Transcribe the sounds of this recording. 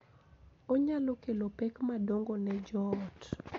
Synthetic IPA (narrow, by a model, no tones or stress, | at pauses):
oɲalokelopɛkmadoŋɡonɛd͡ʒɔt